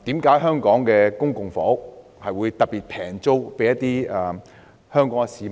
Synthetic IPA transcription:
t̪iː˨˥mkaː˨˧˥jɦœː˥ŋkɔː˨˥ŋkɛː˧kʊ˥ŋkʊ˨ŋfɔ̰ː˨˥k̚ | hɐ˨jwuː˨˧jt̪ɐ˨t̚piː˨˩t̚pʰɛː˨˩ŋt͡so˥wpe˨˥jɐ˥t̪iː˥ɐ˨˩ | hœː˥ŋkɔː˨˥ŋɛ˧siː˨˧

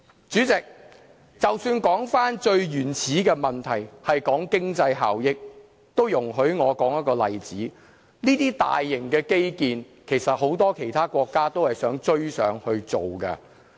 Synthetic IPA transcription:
t͡ʃyː˨˥t͡sɪ˨k̚ | t͡sɐ˨wsyː˧nkɔː˨˥ŋfaː˥nt͡ʃɵ˧ɥjyː˨˩nt͡sʰiː˨˥kɛː˧mɐ˨˩nt̪ʰɐ˨˩jhɐ˨jkɔː˨˥ŋkɪ˥ŋt͡sɐ˧jɦa̰ː˨wjɪ˥k̚ | t̪o˥wjʊ˨˩ŋɦɵ˨˥ɥŋɔː˨˧kɔː˨˥ŋjɐ˥t̚kɔː˧lɐ˨jt͡siː˨˥ | niː˥t̪iː˥t̪a̰ː˨jːɪ˨˩ŋkɛː˧ke˥jkiː˨˧n | kʰe˨˩jsɐ˨t̚ho˨˥wt̪ɔː˥kʰe˨˩jt̪ʰaː˥kʷɔː˧kːaː˥t̪o˥whɐ˨jsœː˨˥ŋt͡ʃɵ˥ɥsœ̰ː˨˥ŋhɵ˧ɥt͡so˨wkɐ̰˧

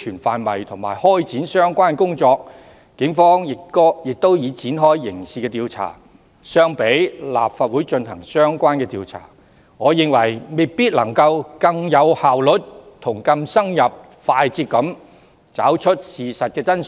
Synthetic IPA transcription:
yː˨˩nfaː˧nmɐ̰˨jt̪ʰʊ˨˩ŋmaː˨˩jhɔː˥jt͡siː˨˥nsœː˥ŋkʷaː˥nkʊ˥ŋt͡sɔː˧k̚ | kɪ˨˧˥ŋfɔː˥ŋjɪ˨˩kːjɪ˨k̚t̪o˥wjiː˨˧t͡siː˨˥nɦɔː˥jːɪ˨˩ŋsiː˨˩kɛː˧t̪iː˧wt͡sʰa̰ː˨˩ | sœː˥ŋpe˨˥jla̰ː˨p̚faː˧t̚wuː˨˥jt͡ʃɵ˧nhɐ˨˩ŋsœː˥ŋkʷaː˥nkɛː˧t̪iː˧wt͡sʰa̰ː˨˩ | ŋɔː˨˧jɪ˨ŋwɐ˨˩jme˨˩jpiː˥t̚lɐ˨˩ŋkɐ˧wkɐ˧ŋjɐ˨˧whaː˨˩wlɵ˨˥t̚t̪ʰʊ˨˩ŋkɐ˧msɐ˥ŋjɐ˨p̚ | faː˧jt͡siː˧t̚kːɐ˨˥m | t͡sa̰ː˨˥wt͡ʃʰɵ˥t̚siː˨sɐ˨t̚kɛː˧t͡sɐ˥n

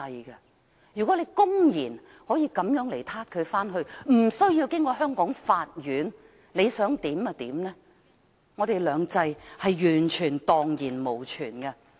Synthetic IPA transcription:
ɐ˧jkɐ˧ | jyː˨kɔː˨˥le˨˧jkʊ˥ŋjiː˨˩n | hɔː˨˥jiː˧kɐ˨˥mjœː˨˥ŋle˨˩jt̪ʰaː˥t̚kʰɵ˨˧ɥfaː˥nɦɵ˧ɥm̩˨˩sɵ˥ɥjiː˧wkɪ˥ŋkɔː˧ɦœː˥ŋkɔː˨˥ŋfaː˧t̚ɥyː˨˥n | le˨˧jsœː˨˥ŋt̪iː˨˥mɐ˧t̪iː˨˥mnɛː˥ | ŋɔː˨˧t̪e˨jlœː˨˧ŋt͡sɐ˧jhɐ˨jjyː˨˩nt͡ʃʰyː˨˩nt̪ɔː˨ŋjiː˨˩nmo˨˩wt͡ʃʰyː˨˩nkɐ˧

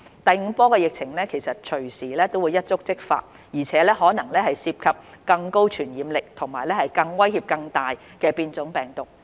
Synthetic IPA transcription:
t̪ɐ˨˧jŋ̩˨˧pɔː˥kɛː˧jɪ˨k̚t͡sʰɪ˨˩ŋlɛː˥kʰe˨˩jsɐ˨t̚t͡ʃʰɵ˨˩ɥsiː˨˩lɛː˥t̪o˥wu˨˧jɐ˥t̚t͡sʊ˥k̚t͡sɪ˥k̚fa̰ː˧t̚ | jiː˨˩t͡sʰɛː˨˦˥lɛː˥hɔː˨˥nɐ˨˩ŋlɛː˥hɐ˨jsiː˧p̚kʰɐ˨p̚kɐ˧ŋko˥wt͡ʃʰyː˨˩njiː˨˧mlɪ˨k̚t̪ʰʊ˨˩ŋmaː˨˩jlɛː˥hɐ˨jkɐ˧ŋwɐ˥jhiː˧p̚kɐ˧ŋt̪aː˨j | kɛː˧piː˧nt͡sʊ˨˥ŋpɛː˨˩ŋt̪ʊ˨k̚

